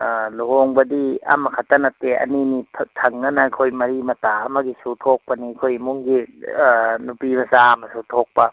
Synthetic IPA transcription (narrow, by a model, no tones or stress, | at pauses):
luɦoŋbɐdia̰makʰatanateɐ̰ninipʰtʰaŋːanakʰojmɐɾimɐtaamaɡisutʰok̚pɐnikʰojmuŋɡi | nupimɐsamɐsutʰok̚pɐ